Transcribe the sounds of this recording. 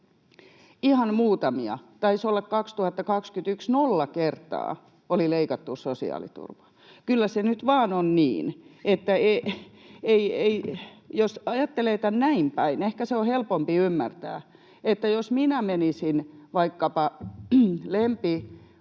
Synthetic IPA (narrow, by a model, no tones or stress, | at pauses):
ihɑnmuːt̪ɑmiɑ̰t̪ɑisolːɑkkɑkst̪uhɑt̪ːɑkɑkskyt̪yksnolːɑkert̪ɑ̰ː | olileikɑt̪ːusosḭɑ̰ːlḭt̪ṵrʋɑ̥ | kylːæsenyt̪ʋɑːnonnḭːnet̪ːæe | eieijosɑjɑt̪ːeleːt̪ænnæimpæinehkæseohelpompiymːært̪æ̰ː | et̪ːæjosminæmenisinʋɑikːɑpɑ | lempi